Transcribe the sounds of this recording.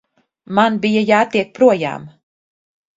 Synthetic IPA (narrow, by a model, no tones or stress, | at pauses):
manbijajaːt̪iɛk̚pɾuɔja̰ːm